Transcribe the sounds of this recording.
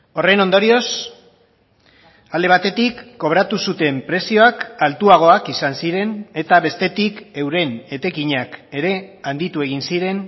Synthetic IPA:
o̞re̞no̞nd̪o̞ɾio̞s | ald̪e̞β̞at̪e̞t̪ikːo̞β̞ɾat̪usut̪e̞mpɾe̞sio̞akalt̪uaɣ̞o̞akisansiɾe̞ne̞t̪aβe̞st̪e̞t̪ike̞wɾe̞ne̞t̪e̞kiɲake̞ɾe̞and̪it̪ue̞ɣ̞insiɾe̞n

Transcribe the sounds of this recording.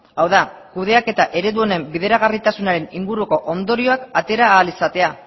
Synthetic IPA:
awðakuð̞e̞ake̞t̪aʔe̞ɾe̞ðuo̞ne̞mbiðe̞ɾaɣ̞arit̪asunaɾe̞niŋɡuɾuko̞ʔo̞nd̪o̞ɾio̞akat̪e̞ɾaːlisat̪e̞a

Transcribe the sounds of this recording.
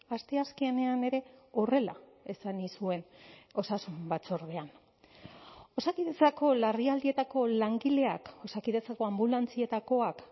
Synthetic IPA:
ast̪e̞askiene̞ane̞ɾe̞o̞re̞la̰ | esanisue̞no̞sasumbat͡soɾðe̞an | o̞sakiðe̞t͡sako̞lariald̪ie̞t̪ako̞laŋɡile̞akosakiðet͡sako̞ambulant͡sie̞t̪ako̞ak

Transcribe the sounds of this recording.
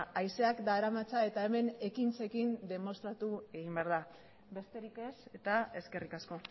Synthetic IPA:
ajse̞akd̪aɾamat͡sae̞t̪ae̞me̞ne̞kint͡se̞kind̪e̞mo̞st̪ɾat̪ue̞ɣimbeaɾða | be̞st̪e̞ɾike̞se̞t̪ae̞ske̞rikasko̞

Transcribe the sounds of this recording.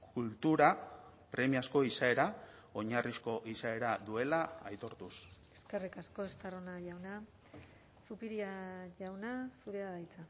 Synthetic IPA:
kult̪uɾa | pɾe̞miasko̞isae̞ɾa | o̞ɲarisko̞ʔisae̞ɾad̪ue̞laa̰jt̪o̞ɾt̪useske̞rikasko̞est̪aronaʝawna | supiɾiaʝawnasuɾeðaðajt͡sa

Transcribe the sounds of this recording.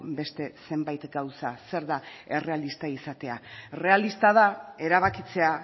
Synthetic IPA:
be̞st̪e̞se̞mbajt̪ɡawsase̞ɾðae̞re̞alist̪aisat̪e̞are̞alist̪aðae̞ɾaβ̞akit͡se̞a

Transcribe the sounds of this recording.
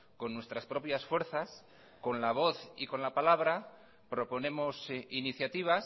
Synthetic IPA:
ko̞nːwe̞st̪ɾaspɾo̞pjasfwe̞ɾθas | ko̞nlaβ̞o̞θiko̞nlapalaβ̞ɾa | pɾo̞po̞nẽ̞mosiniθjat̪iβ̞as

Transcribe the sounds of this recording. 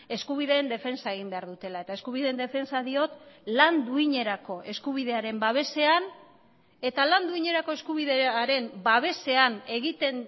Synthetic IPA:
e̞skuβ̞iðe̞ːnd̪e̞fe̞nsae̞ɣ̞imbe̞aɾðut̪e̞lae̞t̪ae̞skuβiðe̞ːnd̪e̞fe̞nsaðio̞t̪land̪uiɲe̞ɾako̞ʔe̞skuβ̞iðe̞aɾe̞mbaβ̞e̞se̞an | e̞t̪aland̪uiɲe̞ɾako̞e̞skuβ̞iðeaɾe̞mbaβ̞e̞se̞ane̞ɣit̪e̞n

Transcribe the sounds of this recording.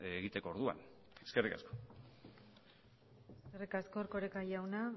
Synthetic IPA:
eɣit̪e̞ko̞ːɾðua̰n | eskerika̰sko | esskerikasko̞ːɾko̞ɾekajawna

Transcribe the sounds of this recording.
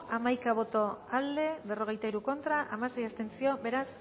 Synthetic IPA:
amajkaβ̞o̞t̪o̞ald̪e̞βe̞ro̞ɣ̞e̞jt̪aiɾuko̞nt̪ɾaʔamase̞jest̪e̞nsio̞be̞ɾas

